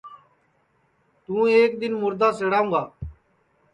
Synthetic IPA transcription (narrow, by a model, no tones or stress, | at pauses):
t̪ũːeːkd̪ɪnmʊɾd̪aːseɽaːũːɡaː